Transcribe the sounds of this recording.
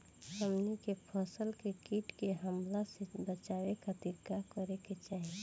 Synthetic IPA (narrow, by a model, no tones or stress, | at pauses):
səmnikepʰəsəlkekiʈkeɦəmlasebət͡ʃawekʰat̪iɾkakəɾeket͡ʃaːɦi